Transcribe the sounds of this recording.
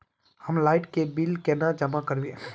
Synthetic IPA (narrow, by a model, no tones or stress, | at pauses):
həmlaːɪʈkebilkenad͡ʒɐmakɐɾbie